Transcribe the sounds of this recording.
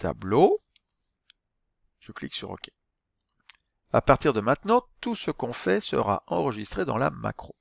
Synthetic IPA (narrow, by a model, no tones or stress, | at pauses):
t̪a̰blo | ʒ̥əkliksyʁɔ̰kʲɛ̥ | a̰paʁt̪iʁd̪əmɛ̃t̪nɑ̃t̪usəkɔ̃fɛsə̰ʁa̰ʔɑ̃ʁəʒist̪χed̪ɑ̃la̰ma̰kχo